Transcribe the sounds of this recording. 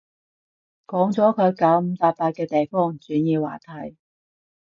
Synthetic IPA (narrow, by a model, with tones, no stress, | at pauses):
kɔː˨˥ŋt͡sɔː˨˥kʰɵ˨˧ɥka˨˥wm̩˨˧t̪aː˧p̚paː˧t̚kːɛː˧t̪e˨jfɔː˥ŋt͡syː˨˥njiː˧wa̰ː˨˩t̪ʰɐ˨˩j